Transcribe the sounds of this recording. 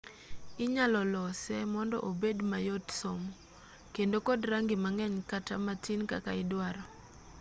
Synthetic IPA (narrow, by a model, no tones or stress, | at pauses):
ɪɲalɔlɔsɛmɔndɔ̰ʔobedmajotsom | kendokodɾaŋɡɪmaŋɛɲkatamatinka̰kaɪdwaɾɔ